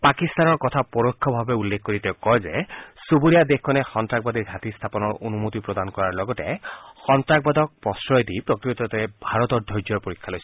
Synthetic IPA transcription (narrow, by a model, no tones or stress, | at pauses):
pakist̪anɔɹkɔt̪ʰapɔɹokʰːɔbʱabɛulːekʰkoɹiteʊkɔjzɛsubuɹijad̪exkʰːɔnɛxɔntɹaɡ̚bad̪iɹɡʱat̪ist̪ʰapɔnɔɹonumot̪ipɹɔd̪ankɔɹaɹlɔɡɔtɛxɔntɹak̚bad̪ɔk̚pɔsɹɔjd̪ipɹɔkɹit̪ɔtɛbʱaɹɔt̪ɔɹdʱɔjd͡ʒɔɹpoɹikʰːalojs